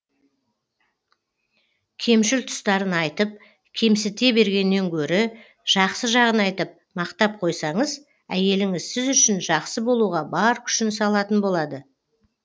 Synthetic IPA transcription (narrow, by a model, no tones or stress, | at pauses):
kʲʰe̞mʃɪlt̪ʰʊ̥st̪ɑɾənɑjt̪əp̚ | kʲʰe̞msɪt̪e̞be̞ɾɡʲe̞nːe̞ŋkʲʰɵɾɪ | ʒ̥ɑqsəʒɑʁənɑjt̪əp̚mɑqt̪ɑp̚qʰo̞jsɑɴəz | æje̞lɪŋɪzsɪzʏʃɪnʒɑqsəbo̞lˠuʁɑbɑɾkʲʰʏ̥ʃɪnsɑlˠɑt̪ənbo̞lˠɑd̪ə